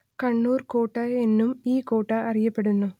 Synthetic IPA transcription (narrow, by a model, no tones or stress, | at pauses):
kɐɳːuːrkoːʈːɐenːumiːkoːʈːɐɐrijɐpːe̞ɽunːu